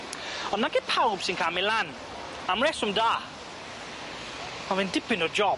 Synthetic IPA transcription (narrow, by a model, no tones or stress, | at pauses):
ɔnːakepʰawb̥sɪnkʰamɛlan | amrɛsʊmdaː | mavɛndɪpɪnɔd͡ʒɔ